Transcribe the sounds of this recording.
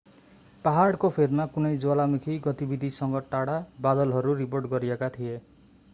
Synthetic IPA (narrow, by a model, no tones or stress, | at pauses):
paɦaɽkopʰed̪makunejd͡ʒoalamikʰiɡɔt̪ibid̪ʱisɔŋɡɔʈaɽabad̪ɔlɦɔɾuɾip̬oɾʈkɔɾiakat̪ʰie